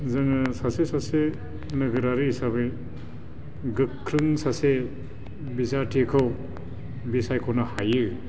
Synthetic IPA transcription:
zɯŋɯsasesase | nɯɡɯɾaɾisabɯj | ɡɯkʰːɾɯŋsase | bizatʰekʰɯw | bisajkʰɔnɐhajɯ

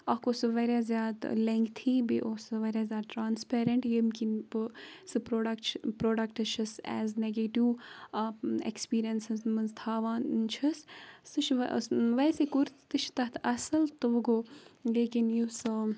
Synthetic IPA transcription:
ɐkosɨʋɐɾʲjaːzʲjaːd̪leŋkt̪ʰiːbḭʔosɨʋɐɾʲjaːzʲjaːd̪̚ʈɾaːnspeːɾɐɳʈjimkinpsɨpɾoːɖɐkpɾoːɖɐk̚ʈɨt͡ʃʰɐsɛ̰ːzneɡeʈiʋ | ḛkspiːɾijɐnsɨzmɐnzt̪ʰaːʋaːnt͡ʃʰɐstɨt͡ʃʰʋʋɐsekuɾt̪t̪ɨt͡ʃʰt̪ɐt̪ʰɐsɐlt̪ɨʋɐɡoːleːkinjusɨ

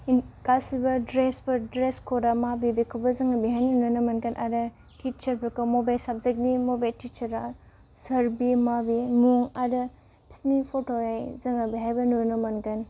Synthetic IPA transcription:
kasibɐdɾesbɐdɾeskʰoɾamabibikʰɐbɐzɐŋɐbiɦaninujnɐmɐnkɐnʔadɐ | tʰit͡ʃɐɾpʰɐkɐmobajsap̚zɐɡ̚nimobajltit͡ʃɐɾa | sɐɾbimabimuŋadɐ | pi̥snipʰotojajzɐŋɐbiɦajbɐnunɐmɐnkɐn

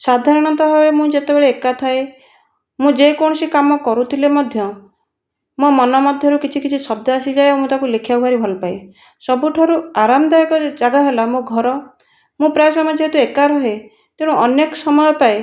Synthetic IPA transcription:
sad̪ʱaɾɔɽ̃ɔnt̪ɔbabemũd͡ʒet̪ebeɭeːkat̪ʰae | mũd͡ʒekɔɽ̃ɔsikamɔkɔɾut̪ʰilemɔd̪ʱjɔ | mumɔnɔmɔd̪ʱjɔɾukit͡ʃʰikit͡ʃʰisɔbd̪ɔasid͡ʒaeomũt̪akulekʰjauɦaɾibʱɔlpae | sɔbuʈʰɔɾuaɾamɔd̪aekɔd͡ʒaɡaɦelamõɡʱɔɾɔ | mũpɾasɔmad͡ʒʰʱɔet̪uekaɾɔɦe | t̪eɽ̃ũɔnjekɔsɔmɔjɔpae

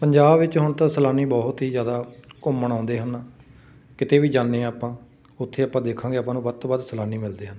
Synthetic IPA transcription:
pəɲd͡ʒaːbʋɪt͡ʃɦʊɳt̪ãːsəlaːniːbɔːɦt̪ɦiːzjaːd̪aːkʊmːəɳ̃ãːnd̪eːɦənː | kɪt̪eːʋiːd͡ʒãːnːeːaːpãː | ʊt̪ʰːeːaːpãːd̪eːkʰːãːɡeːaːpãːnũːbət̪bəd̪səlaːniːmɪld̪eːɦən

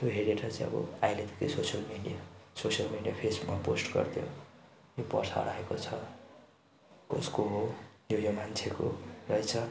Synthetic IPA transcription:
t̪joɦeɾeʈʰʌt͡saĩʌ̰bʌ̰ajlet̪ek̪isosiʌlmiɖijasosjʌlmeɖijapʰesbukmaposʈɡʌ̰rt̪ʰjo̰ | jopʌ̰sʰa̰ɽaekot͡sʰʌ | oskoɦojojomant͡sʰeko̰rʌjt͡sʰʌ

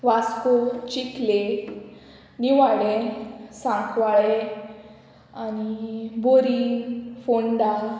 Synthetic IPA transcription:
ʋaskot͡ɕikle | niʋaɭesãŋkʰʋaɭe | aniboɾifoɳɖa

